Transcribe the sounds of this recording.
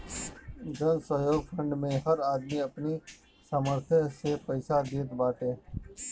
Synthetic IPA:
d͡ʒənsəɦjoːɡfʰɾə̃ɳɖmẽɦɐɾaːd̪miɐpni | saːməɾt̪ʰəsepɐɪsad̪iːt̪baːʈeː

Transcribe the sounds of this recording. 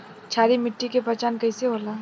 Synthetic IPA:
t͡ʃʰaːɾimɪʈːikepɐt͡ʃaːnkɐiseɦoːlaː

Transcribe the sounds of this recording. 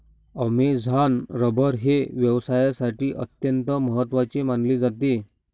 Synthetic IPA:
əmed͡zʱanɾəbʱəɾɦeʋjəʋsajasaʈiːʔət̪jənt̪əməɦət̪ːʋat͡ɕemanled͡zat̪e

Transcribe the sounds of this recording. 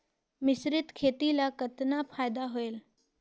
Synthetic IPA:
mɪsɾɪt̪kʰeːt̪ilakɐt̪napʰaːjd̪aɦoeːl

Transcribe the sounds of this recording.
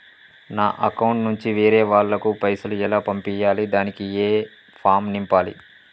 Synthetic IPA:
naːʔɐkɐwuɳʈnuɲt͡ʃiʋeːɾeːʋaːɭːɐkupɐjsuluɛlaːpɐmpijaːlid̪aːnikieː | pʰaːmnimpaːlḭ

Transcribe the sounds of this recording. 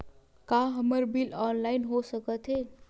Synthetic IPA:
kaɦəməɾbilɔnlaɪnɦosəkət̪ɦe

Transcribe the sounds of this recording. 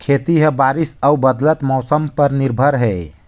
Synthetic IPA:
kʰet̪iɦəbaɾisəubəd̪lət̪mɔsəmpəɾniɾbʱəɾɦɛ

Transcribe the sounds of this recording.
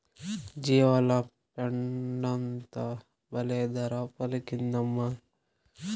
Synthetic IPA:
d͡ʒiʋɐla | pɐɳɖɐnt̪ɐ | bɐled̪ɐɾapɐlɐkind̪ɐmːa

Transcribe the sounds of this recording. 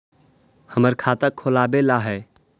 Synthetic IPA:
həməɾkʰat̪əkʰːoːlaːbelaɦɛː

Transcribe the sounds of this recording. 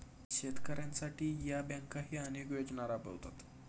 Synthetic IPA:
ɕet̪kəɾjãnsaʈiːjabãŋkaɦiːənekʋed͡ʑɳaɾapḛwt̪at̪

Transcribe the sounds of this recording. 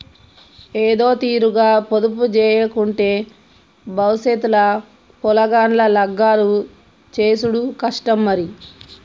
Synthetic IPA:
eːd̪o̞ːt̪iːɾuɡaːpod̪up̬ud͡ʒɛːjɐkuɳʈeː | bɐwset̪ulɐ | pɔlɐɡaːnlɐlɐɡːaːlu | t͡ʃeːsuɽukɐʂʈɐmːɐɾi

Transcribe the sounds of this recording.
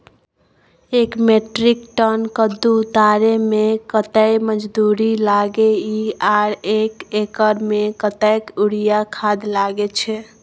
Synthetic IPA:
ekmeʈɾikʈənkəd̪uːt̪aɾemekət̪əjməd͡ʒd̪uɾilaɡeiaɽekekəɾmekət̪əjkuɽijakʰad̪laɡet͡ʃʰɛ

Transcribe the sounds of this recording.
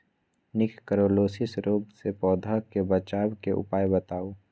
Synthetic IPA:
nɪkkəɾoːloːsɪsɾoːɡsepɔːd̪ʱakebət͡ʃaːwkeʔʊ̰paːjbət̪aːoː

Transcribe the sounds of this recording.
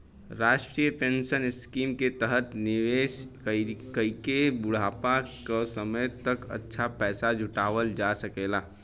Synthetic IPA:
ɾaːʃʈɾiːjəpẽːnʃənɪskiːmket̪əɦət̪nɪʋeːʃ | kəikebʊɽ̤aːpakasəməjt̪ɐkɐ̰tːʃʰapɛːsad͡ʒʱʊʈaːʋəld͡ʒaːsɐkeːlaː

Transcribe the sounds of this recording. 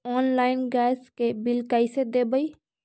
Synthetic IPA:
ɔːnlaːɪnɡɛːskebɪlkaːised̪ebəi

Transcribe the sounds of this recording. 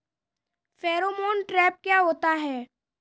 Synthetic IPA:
fɛːɾomoːnʈɾɛːp̚kjaːɦoːt̪aɦɛː

